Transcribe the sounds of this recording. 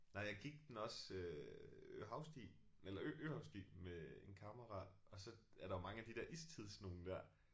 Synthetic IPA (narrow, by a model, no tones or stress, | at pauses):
nɑ̈ɪjɑɪɡ̥iɡ̥̚d̥enɒ̽sø | øɦɑ̈ʊsd̥ḭː | elɐøʔøhɑ̈ʊsd̥ḭːmee̝nkʰɑmɐʁɑ | ɒ̽sɒ̽æɐɾ̥ɑjo̝mɑ̈ŋəæd̥id̥ɛɐʔist͡sʰiðˠsno̝ːn̩d̥æɐ̰